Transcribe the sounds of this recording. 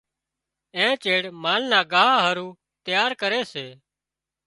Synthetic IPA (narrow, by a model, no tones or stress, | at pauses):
ẽːt͡ʃeːɽmaːnnaːɡaːɦaːɦəɾuː | t̪jaːɾkəɾeːseː